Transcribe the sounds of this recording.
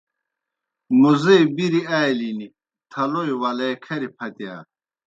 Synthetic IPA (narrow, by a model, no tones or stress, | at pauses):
muzejbiɾiaːjlini | t̪ʰɐlojwɐlɐjkʰɐɾipʰɐt̪ia̰ː